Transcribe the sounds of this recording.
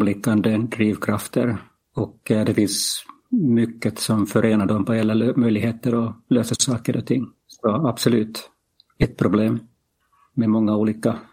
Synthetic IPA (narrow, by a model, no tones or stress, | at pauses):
blɪkːand̪əd̪ɾiːvkʰɾaft̪ʰə̰ɾ | ɔkd̪ɛfɪns | mʏkːət̪sɔmfœɾʔeːnaɖɔmpɔheːlːalømœjlɪɡheːt̪əɾɔløːsəsɑːkəɾʔɔ̰t̪ʰɪŋː | sɔab̥sɔlʉ̟ːt̪ | ɛt̪̚pʰɾʊbleːmː | ɛmɔŋːauːliːka